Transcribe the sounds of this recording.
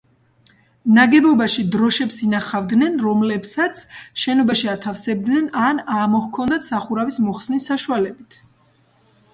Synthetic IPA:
naɡɛbɔbaʃid̪ɾɔʃɛpsinaχavd̪nɛnɾɔmlɛpsat̪sʰʃɛnɔbaʃiat̪ʰafsɛb̚d̪nɛnanamɔhkʰɔnd̪at̪ʰsaχuɾavismɔχsnisːaʃualɛbit̪ʰ

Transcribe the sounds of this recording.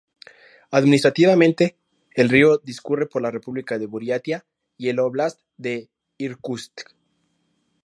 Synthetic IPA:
aðminis̬t̪ɾat̪iβamẽ̞nt̪e̞ː | lrio̞ðiskure̞po̞ɾlare̞puβlikaðe̞βuɾjat̪ja | ie̞loβlasd̪e̞ | iɾkust̪

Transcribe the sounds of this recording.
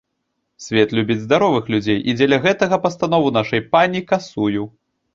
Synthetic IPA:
sʲvʲɛt̪lʲubʲid͡zʲzd̪aɾɔvɨxlʲud͡zʲejʔid͡zʲɛlʲɐɣɛt̪ɐɣɐpɐst̪anɔvunaʂɐjpanʲikasuju

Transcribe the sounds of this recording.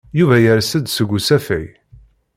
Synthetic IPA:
juvæjəɾsəd̪səɡʷusæfæj

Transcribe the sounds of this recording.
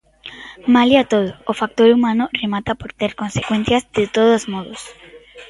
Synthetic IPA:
maliat̪oðoːfak̚t̪oɾumãnoremat̪apoɾt̪eɾkonsekwenθjazdet̪oðozmoðos

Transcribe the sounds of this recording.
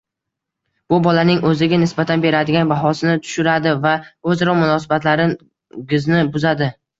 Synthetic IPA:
b̥ʊbɒlanɪŋɵzɪɡʲanɪsbat̪ʰanbe̞ɾad̪ɪɡʲanbaɦɒsɪnɪt̪ʰʊ̥ʃʊɾad̪ɪvaɵzɾɒmʊnɒsabat̪laɾɪ | ɡʲɪznɪbʊzad̪ɪ

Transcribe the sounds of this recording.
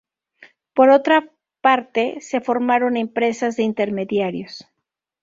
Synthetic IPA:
po̞ɾo̞t̪ɾa | paɾt̪e̞se̞fo̞ɾmaɾo̞ne̞mpɾe̞sazðeint̪e̞ɾme̞ðjaɾjo̞s

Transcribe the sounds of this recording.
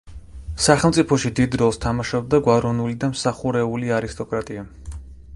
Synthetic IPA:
saχɛlˠmt̪sʼipʰɔʃid̪id̪ɾɔlˠst̪ʰamaʃɔb̚d̪aɡwaɾɔnulid̪amsaχuɾɛuliaɾist̪ʼɔkʼɾat̪ʼia

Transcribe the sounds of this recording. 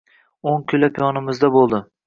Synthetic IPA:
oŋkʲʰylapʰijɒnɪmɪzd̪abolˠd̪ɪ

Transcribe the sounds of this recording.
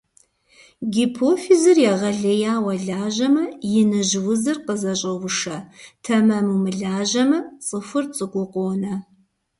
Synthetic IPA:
ɡʲipʰoːfizɨrjɛʁɐɮɐjaːwɐɮaːʒɐmɐjɪnɨʒwʊzɨrqəzɐɕʼɐwʷʊʂɐtʰɐmɐmumɨɮaːʒɐmɐt͡sʼɨfɨrt͡sʼɨkʷʼʊqʷʼoːnɐ

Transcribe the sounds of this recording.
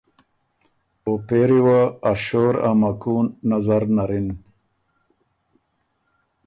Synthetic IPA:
opeɾiwaːɕoːɾa̰mɐkuːnːazaɾnaɾin

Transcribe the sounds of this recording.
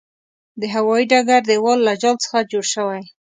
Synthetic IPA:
d̪əɦawɑiɖaɡaɾd̪əwɑlːad͡ʒɑlt͡sə̥xad͡ʒoɽʃəwaj

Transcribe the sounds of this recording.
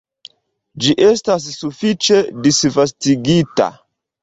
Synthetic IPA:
d͡ʒiʔestas̬ːufit͡ʃe̞disvastiɡita̰

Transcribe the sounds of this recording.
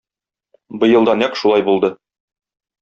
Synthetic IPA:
bɤ̆jɤ̆lˠd̪ɑnɑqʃulˠɑjbulˠd̪ɤ

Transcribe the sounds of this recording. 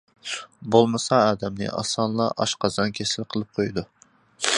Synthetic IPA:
bolˠmɨsɑɑːd̪ɛmnɨ̰ʔɑ̰sɑnlˠɑʔɑʃqɑzɑnkʲʰesɪlɪqʰəlˠɨp̚qʰojd̪u

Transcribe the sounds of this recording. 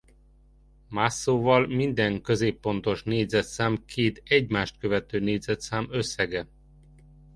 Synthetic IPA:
masːoːvɒlmind̪ɛŋkø̞zeːpːo̞nt̪o̞ʃneːd̪zɛt̪saːmkʰeːt̪ɛɟmaːʃt̪̚kø̞vɛt̪øːneːd̪zɛt̪saːmøsːɛɡɛ

